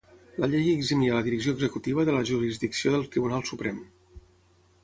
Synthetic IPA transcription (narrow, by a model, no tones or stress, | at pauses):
ləʎejəɡzimiələðiɾəkz̬ioəɡzəkut̪iβ̞əðələʒuɾizðiksioðəlˠt̪ɾiβ̞unalˠsupɾɛm